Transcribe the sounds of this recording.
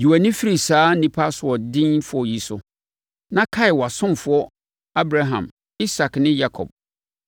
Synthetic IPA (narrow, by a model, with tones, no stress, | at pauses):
ju˨æ˨nɪ̃˦fi˦ɾi˨saː˦nĩ˨pʰa˦sʊ˨ɔ˨dɪ̃˦n˦fʊ˦ɔ˨ji˨sʊ˦ | nã˦kʰa˦ɪ˨wa˨sʊ̃˦m˨fʊ˨˦ɔ˦ | a˦bɾa˦ɦã̰˨m | i˦sa˨knɪ̃˦ja˦kʰɔ̰˨b̚